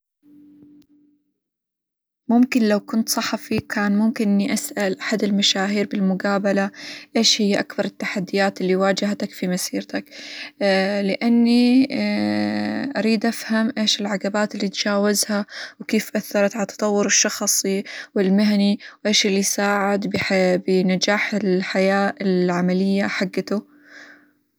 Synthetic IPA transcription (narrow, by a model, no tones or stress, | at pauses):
mʊmkɪnlawkʊnt̪sˤɑħɑfikʰaːnmʊmkɪnʔɪnːiʔasʔalʔaħad̪ɪlmaʃaːɦiːɾbɪlmʊɡaːbalaʔeːʃhɪjːaʔakbɑɾˤɪt̪ːaħad̪ːɪjaːt̪ɪlːiwaːd͡ʒaht̪akfimasiːɾt̪ak | lɪʔanːi | ʔaɾiːd̪ʔafhamʔeːʃɪlʕaɡabaːt̪ɪlːit̪d͡ʒ̥aːwazhawkeːfʔaθːɑɾˤɑt̪ʕalat̪ɑ̥t̪ˤɑwːʊɾɪʃːɑxsˤiwɪlmɪɦaniwʔeːʃɪlːisaːʕɪd̪bɪbɪnad͡ʒaːħɪlħajaːɪlʕamalɪjːaħaɡːat̪ʊ